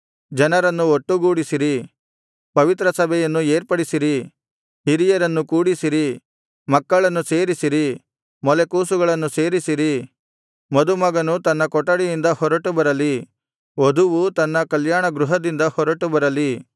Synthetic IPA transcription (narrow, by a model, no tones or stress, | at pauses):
d͡ʒɐnɐɾɐnːuoʈːuɡuːɽisiɾi | pɐʋit̪ɾɐsɐbʱɛjɐnːueːɾpɐɽisiɾi | hiɾijɐɾɐnːukuːɽisiɾi | mɐkːɐɭɐnːuse̞ːɾisiɾi | mɔlekuːsuɡɐɭɐnːuse̞ːɾisiɾi | mɐd̪umɐɡɐnut̪ɐnːɐkɔʈːɐɽijind̪ɐhɔɾɐʈubɐɾɐli | od̪uʋut̪ɐnːɐkɐljaːɳɐɡɾuɦɐd̪ind̪ɐhɔɾɐʈubɐɾɐli